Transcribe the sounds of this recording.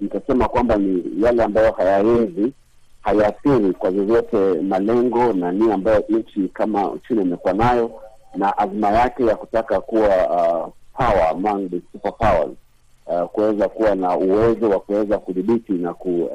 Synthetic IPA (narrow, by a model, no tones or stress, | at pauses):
nikasɛmakwambanijalɛambajɔhajaɛzi | hajaθiɾikwavjɔvjɔtɛmalɛŋɡɔnamiaːmbajɔʔɲ̩t͡ʃikama̰t͡ʃinaimɛkuwanajɔnaʔazimajakɛjaku̥takakuwa | pʰawa̰maŋbisupapawa̰z | kuwɛzakuwanauwɛzɔwakuwɛzakuðiɓitinaku